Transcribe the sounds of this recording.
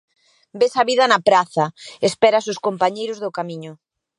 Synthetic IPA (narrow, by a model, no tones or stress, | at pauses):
besaβiðɐnɐpɾaθɐespɛɾasʊskompaɲejɾʊzðʊkamiɲʊ